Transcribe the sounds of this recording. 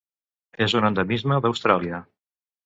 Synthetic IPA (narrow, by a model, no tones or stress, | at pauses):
ezunənd̪əmizməðəwst̪ɾaliə